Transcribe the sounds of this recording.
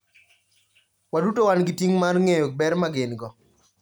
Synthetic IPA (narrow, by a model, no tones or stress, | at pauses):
wadutowanɡɪtiŋmarŋejok̚bɛɾmaɡɪnɡɔ